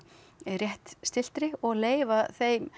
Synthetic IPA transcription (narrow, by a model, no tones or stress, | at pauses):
rjɛht̪st̪ɪl̥t̪ɾɪɔɣleːjvaθeːjm